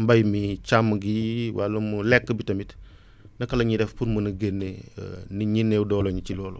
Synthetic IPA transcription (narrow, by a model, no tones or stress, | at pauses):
mbɐjmit͡ʃamɡiwa̰lɐmulɛkːəbitɐmit | nɐkɐlɐɲidɛfpuɾmunɐɡenːḛniɲinːewdɔːloɲit͡ʃilɔːlo̰